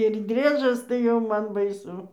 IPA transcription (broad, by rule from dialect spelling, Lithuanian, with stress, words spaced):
ɪr ˈdʲrʲiɛʒɐs tɐɪ ˈjɛʊ ˈmɐn bɐɪˈsʊ